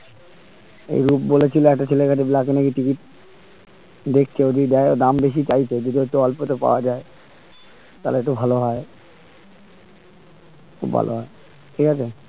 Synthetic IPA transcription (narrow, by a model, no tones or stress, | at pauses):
ḛjɾupbolet͡ɕʰiloɛk̚ʈat͡ɕʰelekaʈeblak̬enekiʈikiʈ̚ | d̪ekʰt͡ɕʰeod̪ʱid̪ɛeod̪ambeʃit͡ɕajt͡ɕʰeod͡ʑ̪od̪iot̪uɔlpot̪opa̰oad͡ʑae | t̪aleeʈ̬ubʱaloɦɔe | kʰṵbʱa̰lʔo̰ɦɔe | ʈʰikʰat͡ɕʰe